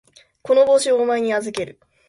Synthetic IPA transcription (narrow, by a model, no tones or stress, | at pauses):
ko̞no̞bo̞ːɕioːmaeɲ̟iazɨke̞ɾɯ̟